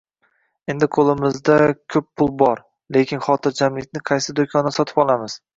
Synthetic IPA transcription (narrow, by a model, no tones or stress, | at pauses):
e̞nd̪ɪqʰolˠɪmɪzd̪akʲʰɵpʰːʊlˠbɒɾ | le̞kʲɪnχɒt̪ʰɪɾd͡ʒamlɪkʲnɪqʰɑjsɪd̪okʲʰɒnsɒt̪ʰɪ̥pɒlˠamɪz̥